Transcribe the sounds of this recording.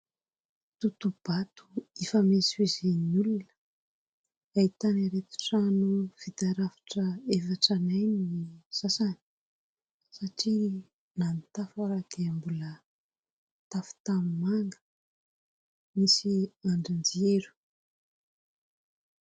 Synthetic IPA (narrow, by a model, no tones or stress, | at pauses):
t̪ut̪ub̥at̪u̥ifəmiswizenulunə̥ | ait̪aniɾet̪u̥ʈ͡ʂanufit̪aɾafi̥ʈ͡ʂəefaʈ͡ʂanajniz̥asani | saʈ͡ʂi | nanit̪afaɾakeambulə | t̪afu̥t̪amimaŋɡə̥ | misiaɳɖ͡ʐand͡zeɾu̥